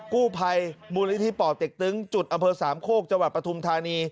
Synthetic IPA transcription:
kuː˥˩pʰa˧jmuː˧li˦˥t̪ʰiː˦˥˩pɔː˨˩t̪̚e˨˩k̚t̪ɯ˦˥ŋt͡ɕu˨˩t̪̚ʔa˧mpʰɤː˧saː˩˦mkʰoː˥˩k̚t͡ɕa˧ŋwa˨˩t̪̚pɾa˧t̪ʰu˧mt̪ʰaː˧niː˧

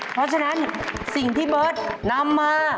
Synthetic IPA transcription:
pʰɾɔ˦˥t͡ɕʰa˧na˦˥nsi˨˩ŋt̪ʰiː˥˩bɤː˦˥t̪̚na˧mːaː˧

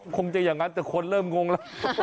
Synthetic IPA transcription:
kʰo˧ŋt͡ɕa˧jaː˨˩ŋːa˦˥nt̪ɛ˨˩kʰo˧nɾɤː˥˩mŋo˧ŋla˦˥˩

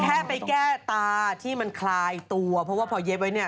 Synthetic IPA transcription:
k̪ʰɛː˥˩pa˧jkɛː˥˩t̪aː˧t̪ʰiː˥˩ma˧nkʰlaː˧jt̪u˧ɐpʰɔ˦˥waː˥˩pʰɔ˧je˦˥p̚wa˦˥jni˥˩ɐ

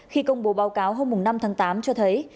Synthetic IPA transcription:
xi˧kə˧wŋ͡mɓo˨˦ɓaː˨˦wkaː˨˦wɦo˧mːʊ˨˩ŋna˧mt̪ʰaː˨˦ŋt̪aː˨˦mt͡ɕɔ˧t̪ʰə˨˦j

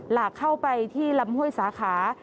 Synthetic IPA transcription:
laː˨˩kʰːa˥˩wpa˧jt̪ʰiː˥˩la˧mhu˥˩əjsaː˨˩˦kʰaː˩˦

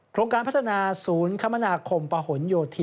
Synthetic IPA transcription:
kʰɾoː˧ŋkaː˧npʰt̪ʰːa˧naː˧suː˩˦nkʰa˦˥ma˧naː˧kʰo˧mpa˧ho˩˦njoː˧t̪ʰi˧

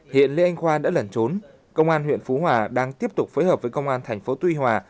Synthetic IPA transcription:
hḭ˧˨ənlḭ˧ʔa˧jŋ̟xwaː˧ɗa̰ː˧˥lə˨˩nt͡ɕo˨˦n | kə˧wŋ͡mʔaː˧nɦwḭ˧˨ənfu˨˦ɦwaː˨˩ɗaː˧ŋt̪i˦˥əp̚t̪ʊ˨˩k͡p̚fə˨˦jɦəː˨˩p̚və˨˦jkə˧wŋ͡mʔaː˧nt̪ʰɛ˨˩jŋ̟fo˨˦t̪wi˧hwaː˨˩

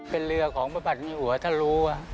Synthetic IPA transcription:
pe˧nlɯ˧əkʰɔː˩˦ŋba˧˩ba˨˩t̪̚miː˧hu˨˩˦ət̪ʰaː˧˩luː˧a˧˩

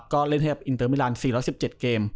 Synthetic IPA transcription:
kɔː˥˩le˥˩nha˥˩jka˨˩ʔi˧nt̪ɤː˧˥mː˧laː˧nsiː˨˩ɾɔː˦˥jsi˨˩p̚t͡ɕe˨˩t̪̚keː˧m

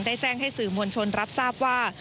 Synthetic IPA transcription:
ŋdaː˥˩jt͡ɕɛː˥˩ŋɦa˥˩jsɯː˨˩mu˧ənt͡ɕʰo˧nɾa˦˥p̚saː˥˩p̚waː˥˩

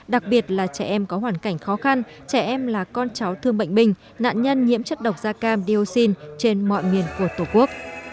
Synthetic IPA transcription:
ɗa˨˩k̚ɓi˨˩ət̚laː˨˩t͡ɕɛ˧˩ʔɛ˧mkɔ˨˦ɦwaː˧˩nka˧˩jŋ̟xɔ˨˦xa˧n | t͡ɕɛ˧˩ʔɛ˧mlaː˨˩kɔ˧nt͡ɕa˨˦wt̪ʰɨ˧əŋɓə̰˧˨ŋ̟ɓï˧˩ŋ̟ | na̰ː˧˨nɲə˧nɲḭ˧˥əmt͡ɕə˦˥t̚ɗə˨˩wk͡p̚zaː˧kaː˧mɗi˧o˧si˧nt͡ɕe˧nmɔ̰˧˨jmi˨˩ənku˧˩ət̪o˨˩ku˦˥ək̚

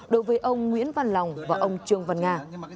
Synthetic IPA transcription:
ɗo˨˦jvəː˨˦jʔə˧wŋ͡mŋwḭ˧˥ənva˧nla˨˩wŋ͡mvaː˨˩ʔə˧wŋ͡mt͡ɕɨ˧əŋvə˨˧˩nŋaː˧

